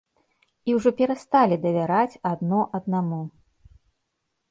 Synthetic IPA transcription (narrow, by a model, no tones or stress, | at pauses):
iwʐɔpʲɛɾast̪alʲid̪ɐvʲaɾat͡sʲad̪nɔʔɐd̪namu